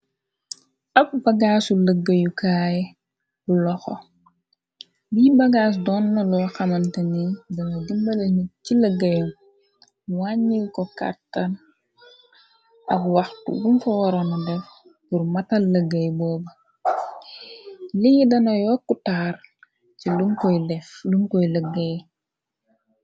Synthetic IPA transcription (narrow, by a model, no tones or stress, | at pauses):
ɐb̚bɐɡaːsuləɡːəjukaːjɛ | bulɔxɔ̰ | biːbɐɡaːs̬dɔːnːɐlɔxɐmɐntɐnidɐnɐdimbɐlɐɲiciləɡːɐjum | waɲːilkɔka̰tːɐn | ʔɐkwɐxtṵwumfɔwɔɾɐnɐdɛf | burmɐtɐllɐɡːɐjbɔːbɐ | lijidɐnɐjɔːkːutaːr | cilumkɔjlɛflumkɔjləɡːɐj